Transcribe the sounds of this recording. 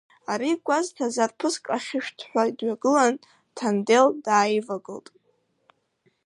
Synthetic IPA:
aɾiɡʷʼaztʰazarpʰɨskʼaχʲɪʃᶣtʰħʷadɥaɡɨlan | tʰandeldaːjvaɡɨltʼ

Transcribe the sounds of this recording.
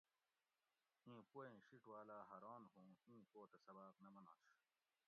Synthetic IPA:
ĩːpoẽːɕiʈwaːlaːɦɐɾaːnɦõːĩːpoːt̪ɐsɐbaːqnɐmɐna̰ːʂ

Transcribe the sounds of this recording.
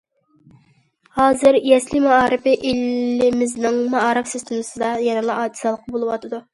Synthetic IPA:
hɑːzɨɾjɛslɪmɑɑːɾɨpɪʔilːɪmɪznɪŋmɑɑːɾɨfsøst̪ʊnɨsɨd̪ɑjɛnɨlˠɑʔɑːd̪ʰi̥sɑlˠəqːɑbolˠɨwɑt̪ʰɨd̪u

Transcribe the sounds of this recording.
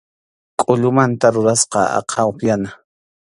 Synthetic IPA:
kʼʊʎʊmant̪aɾʊɾasqɑɑ̰qʰɑwoχjana

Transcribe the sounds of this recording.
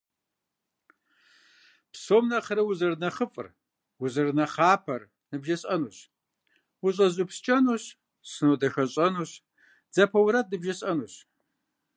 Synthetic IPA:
psoːmnɐχɐɾɨwʊzɨrnɐχəfʼɨ̰r | wʊzɨrnɐχaːpʰɐr | nɨbʒɐɕʼɐnuːɕ | wʊɕʼɐʑʼʊpst͡ʃʼɐnuːɕ | sɨnoːdɐxɐɕʼɐnuːɕ | d͡zɐpʰɐwɾɐdɨbʒɐɕʼɐnuːɕ

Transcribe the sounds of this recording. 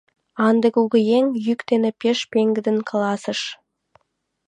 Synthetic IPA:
ɑnd̪əkuɡʲɪjeŋjʏkt̪enɪpʰʲeʃpʲeŋɡʲɪd̪ɪŋkʰlˠɑsəʃ

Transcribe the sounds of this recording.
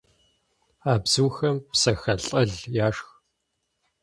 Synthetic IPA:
aːbz̥uːxɐmpsɐxɐɬʼɐɮjaːʂx

